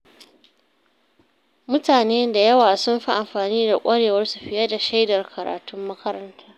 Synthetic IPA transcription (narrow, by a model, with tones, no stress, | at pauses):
mʊ˦taː˨neː˦nda˨jɐ˦waː˨sʊ˦mɸi˦ʔa˨mɸaː˨niː˦da˨kʷʼɐ˦ɽeː˨wɐ˦rsu˨ɸɪ˦jɐ˦da˨ʃa˦jdɐ˨rkʰɐ˨ɾa̰ː˨tʊ˦mːɐ˦kɐ˦ɾɐ˦ntʰaː˦